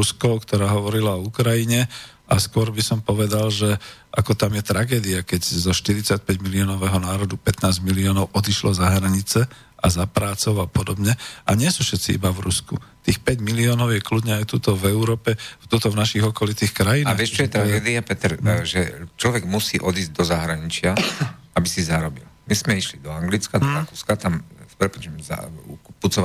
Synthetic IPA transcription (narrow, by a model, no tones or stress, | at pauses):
uskɔʊkt̪ɔɾaːɦɔʋɔɾilaɔukɾajiɲɛ | ʔaskʊɔɾbisɔmpɔʋɛd̪alʒɛʔakɔt̪amjɛt̪ɾaɡɛːd̪iakɛɟzɔʃt̪iɾit͡sac̚pɛɟmiliɔːnɔʋɛɦɔnaːɾɔd̪upɛt̪naːzɟmiliɔːnɔʊʔɔd̪iʃlɔzaɦɾaɲit͡sɛ | azapɾaːt͡sɔʊapɔd̪ɔbɲɛʔaɲɪɛsufʃɛt̪t͡siḭbavɾuskṵt̪iːxpɛɟmiliɔːnɔʊjɛkludɲɛajt̪ut̪ɔvɛuɾɔːpɛft̪ɔt̪ɔvnaʃiɣɔkɔlit̪iːxkɾajinaːʋɪɛʃt͡ʃɔjɛt̪ɾaɡɛːd̪iapɛt̪ɛɾʒɛt͡ʃlɔʋɛɡmusiːʔɔd̪iːzɟd̪ɔzaɦɾaɲit͡ʃɪa | abisizaɾɔbḭlmizmɛiʃlid̪ɔaŋɡlit͡skad̪ɔɾakuːskat̪amspɾɛpɔt͡ʃmza̰put͡sɔa